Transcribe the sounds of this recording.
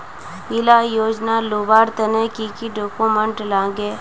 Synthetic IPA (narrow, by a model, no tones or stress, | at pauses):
ɪlajoːd͡ʒnalubaːɾt̪ɐnekikiɖokoməɳʈlãːɡe